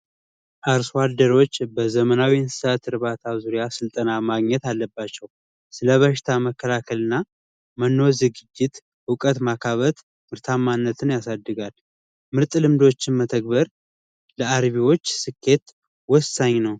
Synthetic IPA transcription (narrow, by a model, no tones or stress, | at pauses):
ʔaɾswad̪əɾo̞t͡ʃːbəzəmənawinsɨ̥sat̪ɨɾβat̪ʰazuɾijasɨlt̪ʼənamaɡɲɛt̪alːəbːat͡ʃːɛw | sɨləβəʃɪ̥t̪ʰaməkʰːəlakʰəlɨnːa | mənːo̞zɨɡɨd͡ʒːɪt̪ | ɨkʼət̪makʰaβət̪ | mɨɾt̪ʰamːanːət̪ʰɨnjasad̪ːɨɡal | mɨɾt̪ʼlɨmd̪o̞t͡ʃːɪnmət̪ʰək̚bəɾ | ləaɾβiwo̞t͡ʃːsɨkʰːe̞t̪ | wɔsaɲːnəw